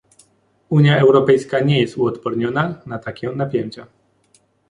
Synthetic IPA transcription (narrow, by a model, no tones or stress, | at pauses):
uɲjaɛwɾɔpɛjskaɲɛjɛst̪uɔt̪pɔɾɲɔnanat̪akʲɛ̃napʲjeɲt͡ɕa